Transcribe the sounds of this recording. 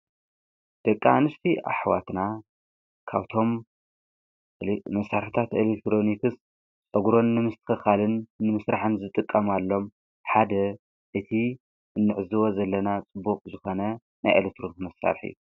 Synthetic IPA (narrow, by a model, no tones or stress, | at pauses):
d̪̥ɐkʼːaanɨst̪ʰia̰ħwa̰t̪na | kʰa̰βt̪ʰo̞m | mɐsaɾħɨt̪ʰat̪elek̚t̪ɾo̞nikʰɨs | t͡sʼɐɡɾo̞nːɨmɨst̪ʰɨ̥xɨxalɨnːɨmɨsɾʔaħɨnzɨt̪ʼɨkʼːɐmalːo̞m | ħad̪ɐ | ʔɨt̪ʰi | ɨnːɨʕɨzɨwo̞zɐlːɐnat͡sʼɨbːukʼzɨxo̞nɐ | na̰jʔḛlet̪ɾonk̪mɐsa̰ɾħḭju